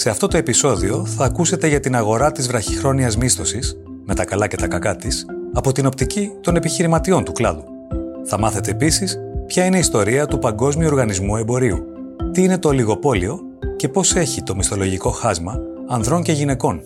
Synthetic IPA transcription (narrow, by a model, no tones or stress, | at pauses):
se̞ɐft̪o̞t̪o̞e̞piso̞ðio̞θɐːkuse̞t̪e̞ʝɐt̪inɐɣo̞ɾɐt̪izvɾɐçixɾo̞niɐzmist̪o̞sis | me̞t̪ɐkɐlɐce̞t̪ɐkɐkɐt̪isɐpo̞t̪ino̞p̚t̪icit̪o̞ne̞piçiɾimɐt̪io̞nt̪uklɐðu | θɐmɐθe̞t̪e̞ːpisispçɐine̞ist̪o̞ɾiɐt̪upɐŋɡo̞zmiuo̞ɾɣɐnizmue̞mbo̞ɾiṵ | t̪iine̞t̪o̞liɣo̞po̞lio̞ | ce̞po̞se̞çit̪o̞mist̪o̞lo̞ʝiko̞xɐzmɐː | nðɾo̞ɲce̞ʝine̞ko̞n